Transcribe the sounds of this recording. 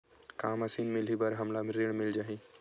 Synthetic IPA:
kaːmɐsiːnmɪlibɐɾɦɐmlamẽɾeɽ̃mɪld͡ʒaːɦĩː

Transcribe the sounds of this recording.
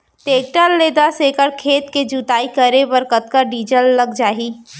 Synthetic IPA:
ʈ̪eːk̚ʈəlːeːd̪asekəɾkʰeːt̪ked͡ʒut̪aːikəɾebɐɾkət̪kaɖiːd͡ʒəlːɐɡd͡ʒaːiː

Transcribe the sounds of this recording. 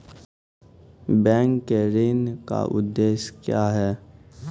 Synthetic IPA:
bɛ̃ːŋkːeɾeːnka̰ʔʊ̰d̪ːeːʃkjaːɦɛː

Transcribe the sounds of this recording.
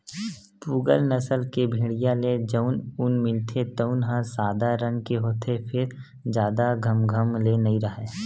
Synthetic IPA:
puːɡəlnəsəlkebʱĩːɽijaled͡ʒəʊnʊnmɪ̃nt̪ʰet̪əʊnɦãsaːd̪aɾə̃ŋɡkeɦoːt̪ʰepʰɪɾ | d͡ʒjaːd̪aɡʱəmɡʱəmlenɐĩɾəɦe

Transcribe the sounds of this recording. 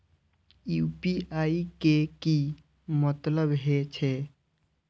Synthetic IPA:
juːpiʔaːikeki | mət̪ləbɦet͡ʃʰe

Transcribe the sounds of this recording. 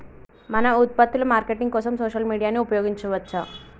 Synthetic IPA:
mɐnɐut̪̚pɐt̪ːulɐmaːɾkeʈiŋɡkɔːsɐmsoːʃɐlmiːɽijaːnːiupɐjoːɡiɲt͡ʃuʋɐt̪ːt͡ʃa

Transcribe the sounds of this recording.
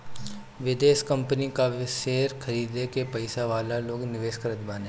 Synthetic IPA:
ʋɪd̪eːʃkɐ̃mpənikaʋɪʃeːɾkʰɐɾiːd̪ekepɐɪsaʋaːlaloːɡnɪʋeːʃkəɾət̪baːneː

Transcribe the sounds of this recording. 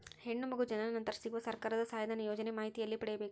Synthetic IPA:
he̞ɳːumɐɡud͡ʒɐnɐnɐnt̪ɐɾɐsiɡuʋɐsɐɾkaːɾɐd̪ɐsaːjɐd̪ʱanɐjoːd͡ʒɐnemaːɦit̪ijɐlːipɐɽɛjɐbe̞ːku

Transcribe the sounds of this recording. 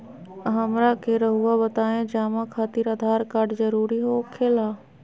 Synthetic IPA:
ɦɐmɾakeɾəɦuabət̪aːẽd͡ʒaːmãkʰaːt̪iɾəd̪ʱaːɾkaːɾɖzɐɾuːɾiɦokʰeːlaː

